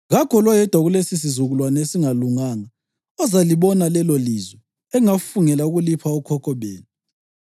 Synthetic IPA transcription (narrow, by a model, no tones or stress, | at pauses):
ɣakʰɔlwajɛd̥ʱwaɣulesis̬izuɣulwanesiŋaluŋaːŋa | ɔzaliβɔnalɛlɔlizwɛ | ɛŋafuŋɛlauɣulipʰaukʰɔkʰɔβeːlɔ